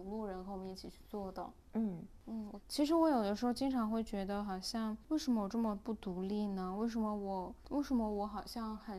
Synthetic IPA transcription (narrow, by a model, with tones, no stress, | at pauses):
ŋlu˥˩ɻə˧˥nxʰɤ˧˥wɔ˨˩˧i˥˩t͡ɕʰi˨˩t͡ɕʰy̥˥˧t͡swɔ˥˧t̪ɑ˥˩ʊ | n̩˥˩n̩˥˩˨t͡ɕʰi˧˥ʂɻ̩˧˥wɔ˧˥jo˨˩ʊd̪ə˦ʂɻ̩˧˥xo˥˧ʊt͡ɕi˥ŋʈ͡ʂʰɑ˧˥ŋxwe˥˩ɪt͡ɕɥɛ˧˥d̪ə˧xɑ˨˩ʊɕjɑ˥˧ŋwe˥˩ɪʂə˧˥mə˧wɔ˨˩ʈ͡ʂɤ˥˩mə˨˩pu˥˩t̪u˧˥li˥˩nə˩we˥˩ɪʂ̬ə˧˥mə˧wɔ˨˩we˥˩ɪʂə˧˥mə˧wɔ˧˥xɑ˨˩ʊɕjɑ˥˧ŋxə˨˩